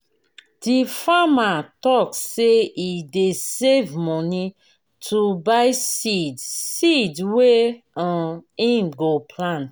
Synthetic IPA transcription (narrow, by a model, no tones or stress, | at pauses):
d̥ifamatɔkseidesevmɔni | tʰubaɪsidsidwe | ãĩmɡopʰlãn